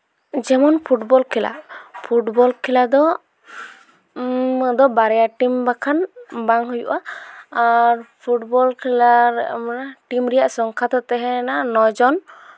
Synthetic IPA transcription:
d͡ʒɛmɔnpʰuʈbɔlkʰila̰pʰuʈbɔlkʰilad̪ɔ | d̪ɔbaɾɛjaʈimbakʰanbaŋɦujṵʔaː | ɾpʰuʈbɔlkʰilaɾɛmnaʈimɾɛjaʔsɔŋkʰad̪ɔt̪ɛɦɛnanɔd͡ʒɔn

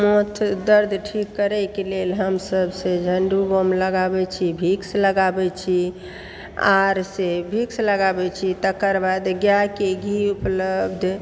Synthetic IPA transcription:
mot̪ʰd̪əɾd̪ʱʈʰikːəɾɛkelelɦəmsəbsẽd͡ʒʱəɳɖubomləɡabɛt͡ʃʰibʱiksləɡabɛt͡ʃʰi | a̰ɾsebʱiksləɡabɛt͡ʃʰit̪əkəɾbad̪ɡjakeɡʱiupləbd̪ʱ

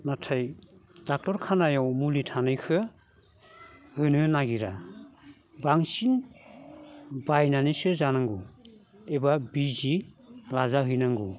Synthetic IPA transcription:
natʰajdak̚tɔɾkʰanajawmulitʰanɯjkʰɯ | hɯjnɯnaɡiɾa | baŋsin | bajnanisɯzanaŋɡu | ebabizilazaɦɯjnaŋɡu

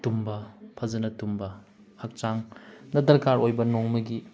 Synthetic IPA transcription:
tumbɐpʰɐzɐnɐtumbɐ | hɐk̚t͡ʃaŋnɐd̪ɐɾkaɾojbɐnoŋmɐɡi

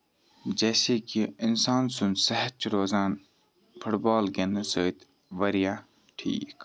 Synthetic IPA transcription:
d͡ʒɛːseːkiɪnsaːnsʊnsɐɦət̪̚t͡ʃɾoːzaːn | pʰʊʈbaːlɡenɐsoːit̪ | ʋɐɾijãː | ʈʰḭːk

